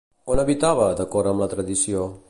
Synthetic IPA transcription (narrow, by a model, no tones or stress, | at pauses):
onəβit̪aβəðəkɔɾəmlət̪ɾəðisio